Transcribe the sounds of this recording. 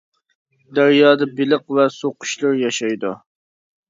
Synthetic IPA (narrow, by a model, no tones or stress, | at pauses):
d̪æɾjɑːd̪ɑbɪlɨqvɛsoqʊ̥ʃlˠɨɾjɑʃɑjd̪u